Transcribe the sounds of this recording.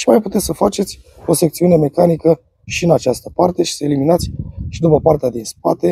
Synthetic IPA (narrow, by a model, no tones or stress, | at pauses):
ʃimajput̪et̪sʲsəfat͡ʃe̞t̪sʲ | o̞se̞k̚t̪siuneme̞kanikə | ʃiɨnat͡ʃast̪əpart̪e̞ʃi̥səe̞liminat̪sʲʃid̪upəpart̪ead̪inspat̪e̞